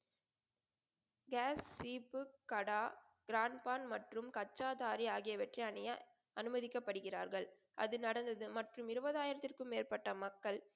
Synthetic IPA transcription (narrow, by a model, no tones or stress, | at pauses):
ɡaːsːiːpɯkːɐɽaː | ɡɾaːɳpaːnmɐʈrɯmkɐt͡ʃːaːðaːɾiaːɣɪjɐʋɐʈriɐnɪjɐ | ʔɐnɯmɐðɪkːɐpːɐɽɯɣɪraːɾɣɐɭ | ʔɐ̰ðɯnɐɽɐnd̪ɐðɯmɐʈrɯmɪɾɯʋɐðaːjɪɾɐt̪ːɪrkɯmːeːɾpɐʈːɐmɐkːɐɭ